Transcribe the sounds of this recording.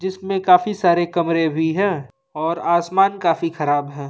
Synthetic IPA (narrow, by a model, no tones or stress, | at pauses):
d͡ʒɪsmẽkaːfisaːɾekɐmɾebʱiɦɛ̃ː | ɔːɾaːsmaːnkaːfixɐɾaːbɦɛ̃ː